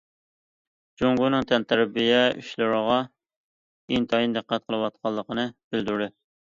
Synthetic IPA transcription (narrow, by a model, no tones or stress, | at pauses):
d͡ʒoŋɡunɨŋt̪ʰɛnt̪ʰæɾbijɛy̰ʃlɨɾəʁɑ | int̪ʰɑjind̪ɨqːæt̪̚qʰəlˠɨwɑt̪̚qʰɑlˠːəqənɨb̥ɪld̪yɾd̪ɪ